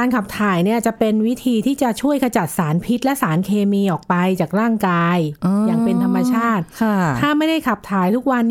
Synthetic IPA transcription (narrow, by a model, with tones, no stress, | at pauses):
aː˧nkʰa˨˩p̚t̪ʰaː˩˦jni˥˩ɐt͡ɕa˨˩pe˧nwi˦˥t̪ʰiː˧t̪ʰiː˥˩t͡ɕa˨˩t͡ɕʰu˥˩əjka˧t͡ɕa˨˩t̪̚saː˩˦npʰi˦˥t̪̚lɛ˦˥ʔsaː˩˦nkʰeː˧miː˧ʔɔː˨˩k̚pa˧jt͡ɕaː˨˩k̚ɾaː˥˩ŋkaː˧jjaː˨˩ŋpe˧nt̪ʰa˧mːa˧t͡ɕʰaː˥˩t̪̚ʰt̪ʰaː˥˩ma˥˩jda˥˩jkʰa˨˩p̚t̪ʰaː˨˩˦jt̪ʰu˦˥k̚wa˧nː